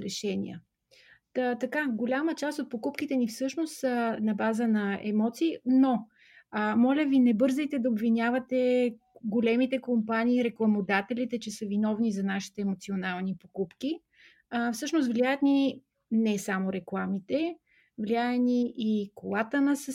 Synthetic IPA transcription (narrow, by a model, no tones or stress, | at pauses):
ɾɛʃɛnʲḭə̰ | t̪ɐkaɡolʲamət͡ʃast̪ot̪̚pokupkit̪ɛnifsɤʃnost̪nɐbazənɐɛ̰mɔt̪siːno | mɔlʲəvinɛbɤɾzɛjt̪ɛd̪ɐobvinʲavɐt̪ɛ | ɡolɛmit̪ɛkompaniːɾɛklˠɐmod̪at̪ɛlit̪ɛt͡ʃɛsəvinɔvnizɐnaʃi̥t̪ɛːmot̪sionalˠnipokupki | fsɤʃnost̪vlʲiajət̪ni | nɛsamoɾɛklˠamit̪ɛ | vlʲiaət̪niʔːkolˠat̪ənɐsə